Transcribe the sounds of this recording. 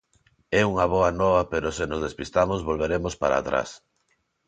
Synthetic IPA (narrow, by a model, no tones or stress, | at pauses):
ɛuŋaβ̞ɔanɔβapeɾosenozðespist̪amozβolβeɾemospaɾa̰ːt̪ɾa̰s